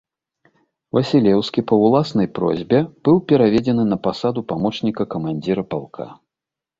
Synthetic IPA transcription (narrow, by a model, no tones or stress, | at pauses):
vɐsʲilʲɛwskʲipɐwlˠasnɐjpɾɔ̰zʲbʲɛb̥ɨwpʲɛɾavʲɛd͡zʲɛnɨnɐpasad̪upamɔt͡ʂnʲikɐkɐmanʲd͡zʲiɾɐpalˠkʰa̰